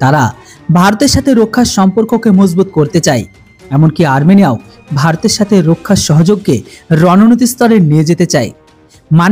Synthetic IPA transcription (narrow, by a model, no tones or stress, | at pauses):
t̪aɾa | bʱaɾot̪eɾʃat̪ʰeɾokʰːaʃɔmpoɾkokemod͡ʑbut̪̚koɾt̪et͡ɕae | ɛmonkiaɾmeniao | bʱaɾot̪eɾʃat̪ʰeɾokʰːaʃɔɦod͡ʑoɡkeɾɔnonot̪̬ist̪ɔɾenied͡ʑet̪et͡ɕae | man